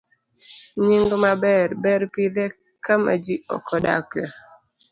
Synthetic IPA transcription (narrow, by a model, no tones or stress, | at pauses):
ɲiŋɡɔmabɛɾbɛɾpid̪ɛ | kama̰d͡ʒiɔ̰kɔda̰kla